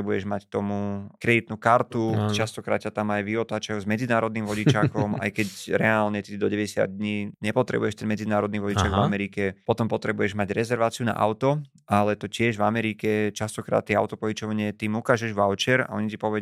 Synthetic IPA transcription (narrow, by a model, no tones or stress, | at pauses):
ɛbujɛʒmackt̪ɔmukɾɛd̪it̪nuːkaɾt̪ut͡ʃast̪ɔkɾa̰ːt̪t͡ɕat̪amajʋiɔt̪aːt͡ʃajuzmɛd͡zinaːɾɔd̪niːmʋɔɟit͡ʃakɔma̰jkɛcɾɛaːlɲɛt̪id̪ɔɟɛʋɛɟɛsɪa̰d̪̚d̪ɲiːɲɛpɔt̪ɾɛ̰bṵjɛʃt̪ɛnmɛd͡zinaːɾɔd̪niʋɔɟit͡ʃaɡvamɛɾikɛpɔt̪ɔmpɔt̪ɾɛbujɛʒmaɟɾɛzɛɾʋaːt͡siuna̰ʔa̰ʊt̪ɔ | ʔalɛt̪ɔcɪɛʒʋamɛɾiːkɛt͡ʃast̪ɔkɾa̰ːt̪ːɪɛa̰ʊt̪ɔpɔit͡ʃɔʋɲɪɛt̪iːmukaːʒɛʒʋalt͡ʃɛɾa̰ʔɔ̰ɲicipɔʋɛɟ